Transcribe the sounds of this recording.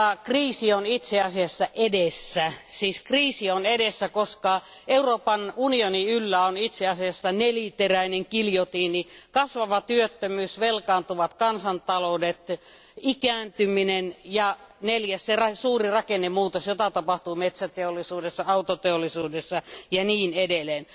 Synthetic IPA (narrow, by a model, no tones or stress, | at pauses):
kriːsionit̪seɑsiɑsːɑʔedesːæsiːskriːsionedesːækoskɑ | euroːpɑnunioniylːæonit̪seɑsiɑsːɑnelit̪eræineŋkiljot̪iːnikɑsʋɑʋɑt̪yøt̪ːømyːsʋelkɑːnt̪uʋɑt̪kɑnsɑnt̪ɑloudet̪ | ikæːnt̪yminenjɑ | neljæsserɑsuːrirɑkenːemuːt̪osjot̪ɑt̪ɑpɑht̪uːmet̪sæt̪eolːˑisuːdesːɑɑut̪ot̪eolːisuːdesːɑjɑniːnedeleːn